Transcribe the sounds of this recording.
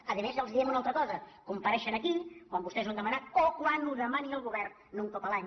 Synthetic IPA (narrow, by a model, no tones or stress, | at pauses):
əðəmezəlˠzðiɛmunalˠt̪ɾəkɔzəkumpəɾɛʃənəkikwambust̪ɛzwand̪əmənat̪okwanuðəmaniəlˠɣuβɛrːuŋt̪opəlaɲ